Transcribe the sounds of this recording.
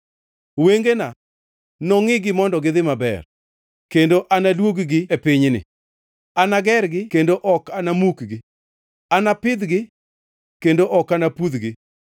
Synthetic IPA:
weŋɡena | nɔŋɪɡɪmɔndɔɡɪðɪmabɛ̰r | kendoʔanalwoɡɡɪepɪɲnɪ̰ | anaɡɛrɡɪkendoʔɔkanamukɡɪ | anapɪd̪ɡɪ | kendoʔɔkanapud̪ɡɪ

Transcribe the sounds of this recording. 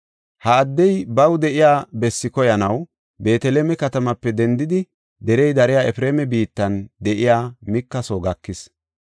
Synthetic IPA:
hɐːd̪ːɛjbɐwd̪ɛʔɪjaːbɛsːɪkɔjɐnɐw | be̞ːt̪ɛleːmɛkɐt̪ɐmɐpːɛd̪ɛnd̪ɪd̪ɪ | d̪ɛɾɛjd̪ɐɾɛjaːɛfɪɾeːmɛbiːt̪ːɐnd̪ɛʔɪjaːmɪkːɐsoɡɐkːɪs

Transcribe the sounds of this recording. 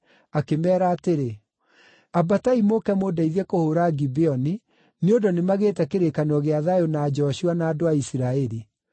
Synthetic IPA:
akemɛːɾaːteɾe | abataimokɛmodaiðɛkohoɾaɡibeɔni | neondonemaɣeːtɛkeɾekanɔɣeaðajonaːd͡ʑɔɕuanaːdoaisiɾaɛɾi

